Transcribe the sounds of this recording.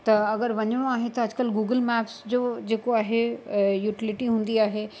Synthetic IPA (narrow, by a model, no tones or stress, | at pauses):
t̪ɐɐɡəɾʋɐɲəɽ̃oaːɦet̪ɐɐd͡ʑkəlɡuːɡəlmɛːpsd͡ʑoːd͡ʑeːkoaːɦejuːʈɪlɪʈiɦũːn̆d̪iaːɦe